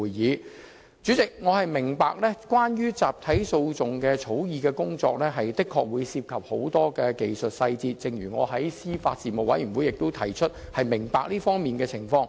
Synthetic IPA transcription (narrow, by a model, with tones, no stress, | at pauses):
jjiː˨˧ | t͡syː˨˥t͡sɪ˨k̚ŋɔː˨˧hɐ˨jmɪ˨˩ŋpa̰ː˨˧k̚lɛː˥kʷwaː˥njyː˥t͡saː˨p̚t̪ʰɐ˨˥jso˧wt͡sʊ˨˩ŋkɛː˧t͡sʰo˨˥wjiː˨˧kɛː˧kʊ˥ŋt͡sɔ̰ː˧k̚lɛː˥ɦɐ˨jt̪ɪ˥kʰːɔː˧k̚wuː˨˧jsiː˧p̚kʰɐ˨p̚ho˨˥wt̪ɔː˥kɛː˧ke˨jsɵ˨t̚sɐ˧jt͡siː˧t̚t͡sɪ˨ŋɥyː˨˩ŋɔ̰ː˨˧ɦɐ˨˥jsiː˥faː˧t̚siː˨mo˨k̚wɐ̰˨˧˥jɥyː˨˩wu˨˥jɪ˨k̚t̪o˥wt̪ʰɐ˨˩jt͡ʃʰɵ˥t̚hɐ˨jmɪ˨˩ŋpaː˨˧k̚liː˥fɔː˥ŋmiː˨nkɛː˧t͡sʰɪ˨˩ŋfɔː˧ŋ